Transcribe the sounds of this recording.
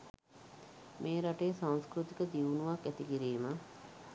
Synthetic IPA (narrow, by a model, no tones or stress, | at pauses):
mʔeːɾaʈeːsaŋskɾut̪ikəd̪iʋunuʋakæt̪ikiɾiːmə